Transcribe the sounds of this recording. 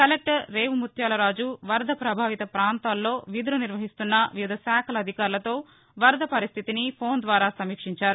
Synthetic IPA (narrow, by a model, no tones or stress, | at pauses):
kɐlek̚ʈɾeːʋmut̪jaːlɐɾaːd͡ʒuʋɐɾd̪ʱɐpɾɐbʱaːʋit̪ɐpɾaːnt̪aːlːo̞ːʋid̪uɾuniɾʋɐɦist̪unːɐʋiʋid̪ʱɐsaːkʰɐlɐd̪ʱikaːɾlɐt̪o̞ː | ʋɐɾd̪ʱɐpɐɾist̪ʰit̪inipʰo̞ːnd̪ʋaːɾaːsɐmiːkʂiɲt͡ʃaːɾu